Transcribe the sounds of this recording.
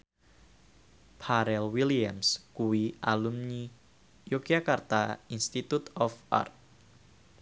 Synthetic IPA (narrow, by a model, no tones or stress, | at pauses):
pʰaɾɛlwiliamskuwiʔalumɲi | jokiakart̪ainst̪it̪ut̪ɔfa̰rt̪̚